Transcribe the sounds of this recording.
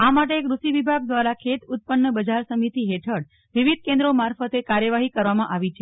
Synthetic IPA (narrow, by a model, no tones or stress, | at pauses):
amaʈ̬ekɾuʃiʋibʱaɡ̚d̪ʋaɾakʰet̪ut̪̚pənːəbəd͡ʒaɾsəmit̪iɦeʈʰəɽ | ʋiʋid̪̚ʱkẽnd̪ɾomaɾfət̪ekaɾjəʋaɦikəɾʋamãʔaʋit͡ʃʰe